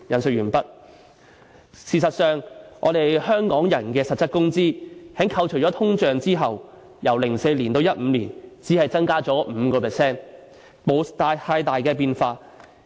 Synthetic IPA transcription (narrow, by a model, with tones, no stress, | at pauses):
jɐ˨nsɵ˨k̚jyː˨˩npɐ˥t̚ | siː˨˩sɐ˨t̚sœː˨˩ŋʔɔ̰ː˨˧ɾe˨jhœː˥ŋkɔː˨˥ŋjɐ˨˩nkɛː˧sɐ˨t̚t͡sːɐ˥t̚kʊ˥ŋt͡siː˥hɛː˨˥ŋkʰɐ˧wt͡ʃʰɵ˨˩jt͡ʃɔː˨˥t̪ʰʊ˥ŋt͡ʃœː˨ŋt͡siː˥ɦɐ˨w | jɐ˨˩wlɪ˨˩ŋse˧jliː˨˩nt̪o˧wjɐ˥t̚m̩ː˨˧liː˨˩nt͡siː˨˥hɐ˨jt͡sɐ˥ŋkaː˥t͡ʃɔː˨˥m̩ː˨˧kɔː˧pʰɛː˨sɛː˥n | mo˨˧wt̪aː˧jhʰaː˧jt̪aː˨jkɛː˧p̬iː˧nfaː˧